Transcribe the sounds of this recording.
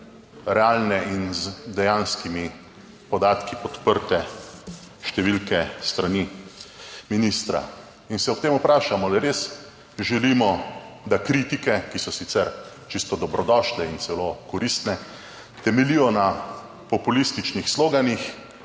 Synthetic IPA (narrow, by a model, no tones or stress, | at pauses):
ɾɛaːlnɛinzd̪ɛjanskimi | pɔd̪aːt̪kipɔt̪pəɾt̪ɛ | ʃt̪ɛʋilkɛst̪ɾani | minist̪ɾa̰ | insɛɔp̚t̪eːmupɾaːʃamɔliɛɾeːs | ʒɛlimɔ | d̪akɾit̪ikɛkisɔsit̪sɛɾ | t͡ʃist̪ɔd̪ɔbɾɔd̪ɔʃlɛint̪sɛlokɔɾist̪nɛ | t̪ɛmɛlijɔna | pɔpulist̪it͡ʃnixsloːɡanix